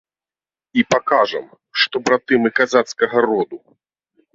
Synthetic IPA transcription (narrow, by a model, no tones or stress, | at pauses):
ipakaʐɐ̰m | ʂt̪ɔbɾat̪ɨmɨkazat̪skɐɣɐɾɔd̪u